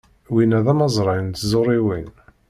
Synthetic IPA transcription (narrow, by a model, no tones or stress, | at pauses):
winæðæmɑzˤɾˤɑnt̪zˤoɾˤiwin